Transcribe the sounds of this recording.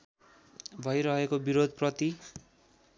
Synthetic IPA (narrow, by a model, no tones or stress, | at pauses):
bʱʌjɾʌɦekobiɾod̪ʱprʌt̪i